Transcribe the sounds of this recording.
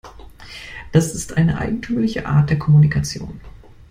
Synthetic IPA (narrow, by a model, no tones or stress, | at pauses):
d̥asɪstʔa̰ɪnəʔa̰ɪɡŋ̩tʰyːmlɪçəʔa̰ːɐt̚d̥eːɐkʰɔmunikʰat͡sjo̰ːn